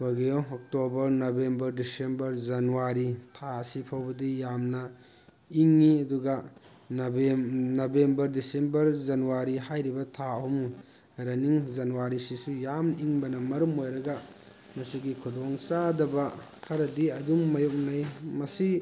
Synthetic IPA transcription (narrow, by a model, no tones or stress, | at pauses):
waɡijɔɔk̚tobɐɾnobembɐɾdisembɐɾzɐnuwaɾitʰaɐsipʰawbɐdijamnɐ | iŋːiɐduɡɐ | n | nobembɐɾdisembɐɾzɐnuwaɾiɦajɾibɐtʰaum | ɾɐniŋzɐnuwaɾisisujamiŋbɐnɐmɐɾumojɾɐɡa | mɐsiɡikʰudɔŋsadɐbɐ | kʰɐɾɐdiɐdumːɐjɔk̚najmɐsi